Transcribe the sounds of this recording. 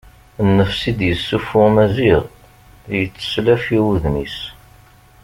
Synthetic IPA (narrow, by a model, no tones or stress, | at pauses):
nːəfsid̪jəsːufʊmæziʁ | jət͡sːə̥slæfiwuðnis